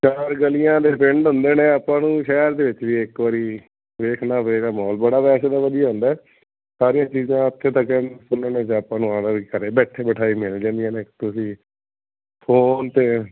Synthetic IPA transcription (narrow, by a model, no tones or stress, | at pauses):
t͡ʃaːɾɡəlɪjãːd̪eːpɪɳɖɦʊ̃nd̪eːnẽːapãːnũːʃɛːɾd̪eːʋɪt͡ʃʋiːɪkʋaːɾiː | ʋeːkʰnaːʋeːɾaːmɔːlbəɽaːpɛːʃeːd̪aːʋəd̪ijaːɦʊ̃nd̪aːɛː | saːɾijãːt͡ʃiːzãːət̪ʰːeːt̪akɛ̃ːnsʊneːnẽːsəːpãːnũːãːd̪əɾikəɾeːbɛːʈʰeːbəʈʰaːiːmeld͡ʒãːnd̪ijãːneːt̪ʊsĩː | pʰoːnt̪eː